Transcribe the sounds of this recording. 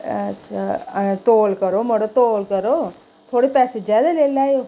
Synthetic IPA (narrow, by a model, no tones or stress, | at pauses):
ɐtːʃʰat̪oːlkəɾomɐɽot̪oːlkəɾo | t̪ʰoːɽepɛːsezjaːd̪aleːlaːjoː